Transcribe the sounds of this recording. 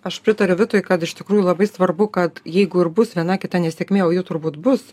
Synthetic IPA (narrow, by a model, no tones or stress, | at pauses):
ɐʃpʲɾʲɪt̪ɐɾʲʊʋʲɪt̪oːjkɐt̪ɪʃt̪ʲɪkɾuːjulˠɐbɐɪsʋɐrbʊkɐt̪jɛɪɡʊɪɾbʊsʋʲiɛnɑkʲɪt̪ɐnʲɛsʲɛkʲmʲeːoːjuːt̪ʊrbuːt̪bʊs